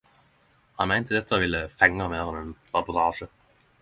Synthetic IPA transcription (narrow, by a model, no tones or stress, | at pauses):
hɑnmæɪnt̪əd̪ɛt̪ːəəʋɪlːəfɛŋːɑmeːʁənɛnʁɑpʊʁt̪ʰɑːʂə